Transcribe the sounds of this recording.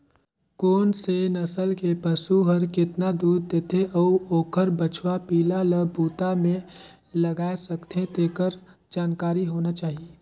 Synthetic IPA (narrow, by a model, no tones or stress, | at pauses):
koːnsenəsəlkepəsuɦəɾkɪt̪nad̪uːɾd̪eːt̪ʰeʔɔuoːkʰəɾbət͡ʃʰwapiːlaləbuːt̪amẽ | lɐɡaːesɐkt̪ʰẽt̪eːkəɾd͡ʒaːnkaːɾiɦoːnat͡ʃaːɦieː